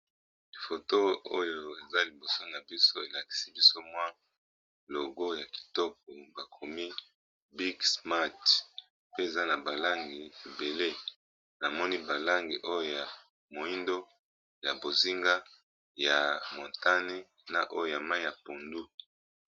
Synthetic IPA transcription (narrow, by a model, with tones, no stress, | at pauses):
i˨fo˨to˦o˦jo˨e˨za˦li˨bo˨so˦na˨bi˦so˦e˨la˨ki̥˨si˦bi˦so˦mwa˦ | lo˨ɡo˦ja˨ki̥˨tɔ˦k̚ɔ˨ba˨kʰo˨mi˦ | bi˦ksma˦˨t | pe˦e˨za˦na˨ba˨la˦ŋɡi˨e˨be˨le˦ | na˨mɔ˦ni˦ba˨la˦ŋɡi˨ʔo˦jo˦˨ja˨ | mo˨i˦ndo˦ | ja˨bo˨zi˦ŋɡa˦ | ja˨mo˨nta˦ne˦ | na˨ʔo˦jo˦˨ja˨ma˦i˦ja˨po˨ndu˦